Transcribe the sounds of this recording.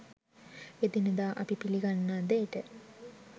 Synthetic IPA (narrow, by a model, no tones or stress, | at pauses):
ed̪inəd̪aːʔɐpipiliɡanːaːd̪eːʈə